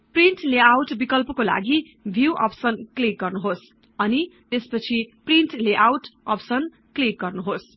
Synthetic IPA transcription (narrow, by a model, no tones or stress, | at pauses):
priɳʈleawʈbikʌlpʌkola̰ɡi | bʱjuʔʌ̰psʌnklik̚ɡʌrnuɦos | ʌnit̪espʌt͡sʰipriɳʈleʔawʈʌpsʌn | klik̚ɡʌrnuɦos